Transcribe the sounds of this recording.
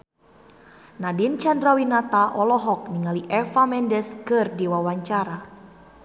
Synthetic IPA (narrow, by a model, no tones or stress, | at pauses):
nadint͡ʃandɾawinat̪aʔɔlɔɦɔk̚niŋaliʔɛfamɛndɛskɨrdiwawaɲt͡ʃaɾa